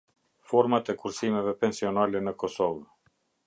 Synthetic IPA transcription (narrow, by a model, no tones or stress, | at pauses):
fɔɾmat̪ɛkuɾsimɛvɛpɛnsiɔnalɛnəkɔsɔv